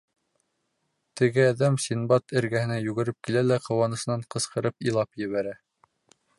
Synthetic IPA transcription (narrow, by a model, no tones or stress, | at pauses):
t̪ɘ̆ɡɘæðæmsʲinbɑt̪ʰɘ̆ɾɡæhɘ̆næjʉɡɘ̆ɾɘp̚kilælæqɤ̆wɑnɤ̆sɤ̆nɑɴqɤ̆sqɤ̆ɾɤpilˠɑpjɘ̆βæɾæ